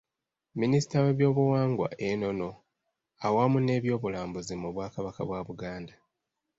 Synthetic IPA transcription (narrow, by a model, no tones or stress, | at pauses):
minisi̥tawe̞ːβjo̞ːβuwaːŋɡwa̰ʔe̞no̞no̞ | awamune̞ːβjo̞ːβulaːmbuzimuβwaːkaβaka̰βwaːβuɡaːnda